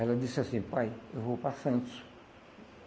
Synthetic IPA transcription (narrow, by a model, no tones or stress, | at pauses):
ɛlɐd̪isasĩpajewvopasɐ̃nsʊ̥